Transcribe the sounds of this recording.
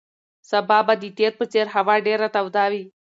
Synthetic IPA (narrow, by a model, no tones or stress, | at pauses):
sɐbaːbad̪iːt̪et̪̚pət͡seɾɦɐʋaːɖeɾat̪ɐʋd̪aːʋiː